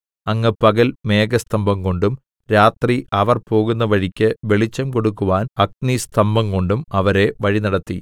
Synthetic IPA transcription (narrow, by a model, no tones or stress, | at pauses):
ɐŋːɐpɐɣɐlme̞ːɡɐst̪ɐmbʱɐmko̞ɳɖum | ɾaːt̪riʔɐʋɐrpo̞ːɣunːɐʋɐɻikʲːɨʋe̞ɭit͡ɕːɐmko̞ɽukːuʋaːnɐk̚nist̪ɐmbɐŋko̞ɳɖumɐʋɐɾe̞ʋɐɻinɐɽɐt̪ːi